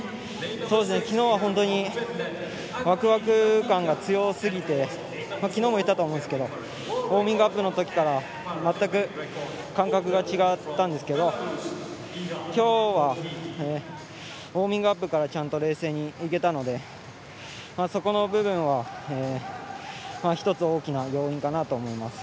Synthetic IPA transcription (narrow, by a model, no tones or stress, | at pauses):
soːd̪e̞sɨnekʲino̞ːβaɦõnt̪o̞ɲ̟i | βakɯ̟βakɯ̟kãŋɡat͡sɨjo̞sɨɡʲit̪e̞ | makʲino̞ːmo̞it̪ːat̪oːmõnesɨ̥ke̞d̪o̞ | oːmʲĩŋɡɯapːɯ̟no̞t̪o̞kʲi̥kaɾa | mat̪ːakɯ̟ | kãŋkakɯ̟ɡat͡ɕiɡat̪ːãnd̪e̞sɨ̥ke̞d̪o̞ | kʲo̞ːβaeː | o̞ːmʲĩŋɡɯapːɯ̟kaɾat͡ɕãnt̪o̞ɾe̞ːse̞ːɲ̟iːke̞t̪ano̞d̪e̞ | maso̞ko̞no̞bɯ̟bɯ̟̃ɰ̃βaeː | maçi̥t̪o̞t͡sɨoːkʲinajo̞ːĩŋkanat̪o̞ːmo̞imasɨ̥